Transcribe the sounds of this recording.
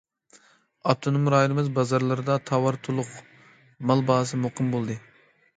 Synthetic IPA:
ɑt̪ʰːunɨmuɾɑːilɪmɪzbɑzɑɾlˠɨɾɨd̪ɑt̪ʰɑwɑɾt̪ʰulˠʊq | mɑlˠbɑːs̬ɨmoqɨmbolˠd̪ɨ

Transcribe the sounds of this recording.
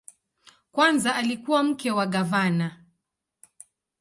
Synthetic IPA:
kwanzaːlikuwam̩kɛwaɠavana

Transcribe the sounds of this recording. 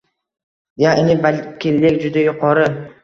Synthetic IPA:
jaʔenɪbalʲkʲɪlːɪkʲd͡ʒʊd̪ajʊqʰɒɾɨ

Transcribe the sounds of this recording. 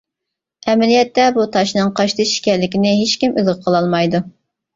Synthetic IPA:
ɛmɛlijɛt̪ːɛbut̪ʰɑʃnɨŋqʰɑʃt̪ɨʃi̥kʲɛɾlːɪkʲɪnɪɦeʃkʲimylʁəqʰəlˠɑlˠmɑjd̪u

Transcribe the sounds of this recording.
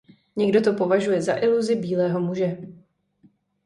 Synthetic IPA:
ɲɛɡdo̞t̪o̞po̞vaʒujɛza̰ʔɪluzɪbiːlɛːɦo̞muʒɛ

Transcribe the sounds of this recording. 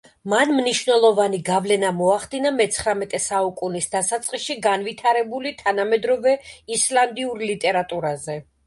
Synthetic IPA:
manmniʃvnɛlˠɔvaniɡavlɛnamɔaχd̪inamɛt̪sʰχɾamɛt̪ʼɛsaukʼunisd̪asat̪sʼqʼisʃiɡanvit̪ʰaɾɛbulit̪ʰanamɛd̪ɾɔvɛislˠand̪iuɾlit̪ʼɛɾat̪ʼuɾazɛ

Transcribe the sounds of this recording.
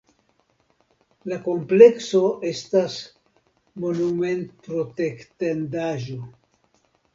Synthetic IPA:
lako̞mple̞kso̞ʔe̞stas | mo̞nume̞ntɾote̞ktandaʒo̞

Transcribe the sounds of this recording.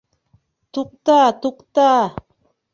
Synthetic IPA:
t̪uq̚t̪at̪uqt̪a

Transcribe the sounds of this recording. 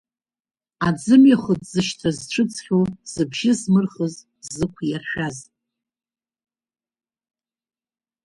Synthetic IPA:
ad͡zɨmjaχədʼzɨʃtʰazʈ͡ʂʰɨt͡sʰχʲoz̥ɨbʒɪzmɨrχəz | zɨkʷʰjarʃᶣaz

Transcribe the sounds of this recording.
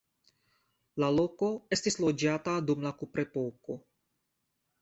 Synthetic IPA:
lalo̞ko̞e̞stislo̞d͡ʒatadumlakupɾe̞po̞ko̞

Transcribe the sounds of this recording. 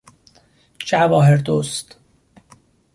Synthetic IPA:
t͡ʃævɒːɦeɾd̪ost̪

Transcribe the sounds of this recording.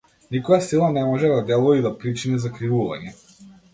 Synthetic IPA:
nikɔjasilˠanɛmɔʒɛd̪ad̪ɛlˠɔid̪apɾit͡ʃinɛzakɾivuva̰ɲɛ

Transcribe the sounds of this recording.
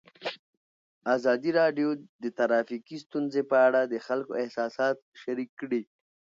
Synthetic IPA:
azɑd̪iɾɑɖjod̪ət̪aɾɑfikist̪unzepəaɽad̪əxalkoɪhsɑsɑt̪̚ʃaɾikːɽi

